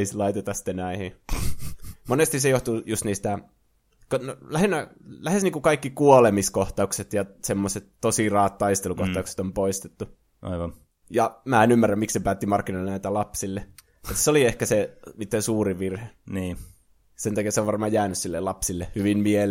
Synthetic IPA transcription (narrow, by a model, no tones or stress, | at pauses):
islɑit̪et̪ɑsi̥t̪ːenæihi | monest̪isejoht̪ujust̪niːst̪æ | konolæhenːælæhesniːkukɑikːikuolemiskoht̪ɑukset̪jɑsemːoset̪t̪osirɑːt̪t̪ɑist̪elukoht̪ɑukse̥t̪ompoist̪et̪ːu | ʔɑ̰iʋɑn | jɑmæːenymːærːæmmiksepæːt̪ːimɑrkːinoilːenæit̪ælɑpsilːe | mut̪ːseoliehkæsenit̪ːensuːriʋirheniː | sent̪ɑkiɑseoʋɑrmɑːjjæːnyssilːḛlɑpsilːehyʋimmiel